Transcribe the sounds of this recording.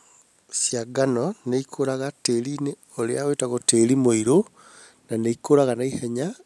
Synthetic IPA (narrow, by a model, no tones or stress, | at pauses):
sjaɡanɔneikʰoɾaɣateline | oleawetaɣotelimoiɾo | naneikoɾaɣanaihɛɲa